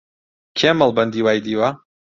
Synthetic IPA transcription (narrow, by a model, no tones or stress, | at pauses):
kʰeməlˠbɐnd̪iːwaːjd̪iːwa